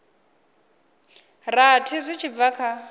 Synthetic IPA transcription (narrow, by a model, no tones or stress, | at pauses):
ratʰizʷit͡ʃʰib̪vakʰa